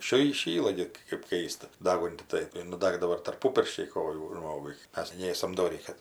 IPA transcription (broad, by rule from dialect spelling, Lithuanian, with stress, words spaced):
ˈʃʲiː iːˈʃʲiːlˠɐ ɡʲɪ kɜp ˈkɐɪstɐ ˈdɑːɡʊnʲtʲɪ ˈtɐɪ ɪr nʊˈdɑːɡdɐʋoː ɪr tɐrˈpʊ pʲɪrʲʃʲt͡ʃʲɛɪ ˈkoːjuː ˈʒmoːɡʊɪ ˈmʲɛs ˈnʲeːsɐm doːˈrʲiː ˈkɐt